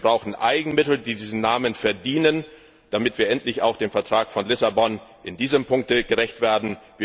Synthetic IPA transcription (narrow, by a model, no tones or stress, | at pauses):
bʁaʊxn̩ʔa̰ɪɡŋ̩mɪtl̩diːdiːzn̩nːaːmənfɛɐdiːnən | d̥amɪtv̥iːɐʔɛntlɪçaʊxd̥eːmfɛɐtʁ̥aːkfɔnlɪsabɔnʔɪndiːzəmpʰʊŋk̚təɡ̥əʁɛçtv̥eːɐdn̩viː